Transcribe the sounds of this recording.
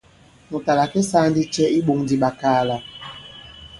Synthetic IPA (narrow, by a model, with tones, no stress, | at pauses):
mu˨ta˨la˨kɛ˦sa˦n˦di˦t͡ʃɛ˦i˦ɓo˨ŋdi˨ɓa˨kaː˦˨la˨